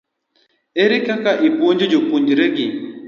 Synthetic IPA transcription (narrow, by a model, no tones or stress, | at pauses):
eɾikakaʔiboɲd͡ʒed͡ʒopuɲd͡ʒiɾeɡi